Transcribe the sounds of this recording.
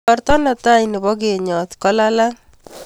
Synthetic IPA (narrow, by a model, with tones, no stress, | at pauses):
ɔ˦ɾt̪ɔ˦na˨t̪a˦inɪ˨bɔ˦ɡe˨ɲɔ˨t̪kɔ˦la˦la˦